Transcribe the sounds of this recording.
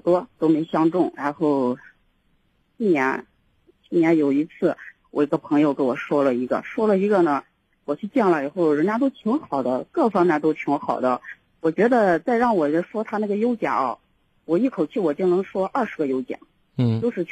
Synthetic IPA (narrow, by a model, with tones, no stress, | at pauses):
t̪wɔ˥t̪o˥ʊme˧˥ɪɕjɑ˥ŋʈ͡ʂʊ˥˩ŋɻa˧˥nxo˥˩ʊ | i˥˩njɛ˧˥n | i˥˩njɛ˧˥njo˨˩ʊi˧˥t͡sʰɹ̩˥˩ | wɔ˨˩i˧˥ɡə˧pʰɤ˧˥ŋjo˧ʊke˥wɔ˨˩ʂwɔ˥lə˨i˧˥ɡə̰˧ʂwɔ˥lə˨i˧˥ɡə˥˧nə˩ | wɔ˨˩t͡ɕʰy˥˧t͡ɕjɛ˥˩ŋlə˩i˨˩xo˥˩ʊɻə˧˥nt͡ɕja˥t̪o˥ʊt̪ʰi˧˥ŋxɑ˨˩ʊd̪ə˦kɤ˥˩fɑ˥ŋmjɛ˥˧nt̪̬o˥ʊt̪ʰi˧˥ŋxɑ˨˩ʊd̪ə̰˦ | wɔ˨˩t͡ɕɥɛ˧˥d̪ə˧t͡sa˥˧ɪɻɑ˥˩ŋwɔ˨˩˥ʂwɔ˥t̪ʰa˥na˥˩ɡə˩jo˥ʊt͡ɕjɑ̰˨˩˦ɐ̰˧˩ | wɔ˨˩i˥˩kʰo˨˩ʊt͡ɕʰy˥˩wɔ˨˩t͡ɕji˥˩ŋnɤ˧˥ŋʂwɔ˥ʔɐ˞˥˩ʂɻ̩˧˥ɡə˧jo˥ʊt͡ɕjɑ̰˨˩˦ŋ˥ | t͡ɕjo˥˧ʊʂɻ̩˥˧